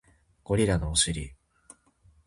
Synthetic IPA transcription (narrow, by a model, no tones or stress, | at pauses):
ɡ̥o̞ɾʲiɾanoːɕɨɾʲi